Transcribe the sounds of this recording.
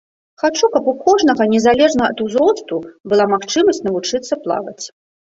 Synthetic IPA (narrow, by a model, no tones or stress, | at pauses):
xat͡ʂukɐpukɔʐn̪ɐɣɐnʲɛzalʲɛʐnɐɐ̰t̪uzɾɔst̪ubɨlˠamaxt͡ʂɨmɐsʲt͡sʲnɐvut͡ʂɨt̪sːɐplˠa̰vɐ̰t͡sʲ